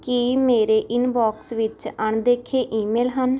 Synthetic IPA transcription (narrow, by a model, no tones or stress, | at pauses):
kimeːɾeːʔɪnbɔːksʋɪt͡ʃəɳd̪eːkʰeːʔiːmeːlɦən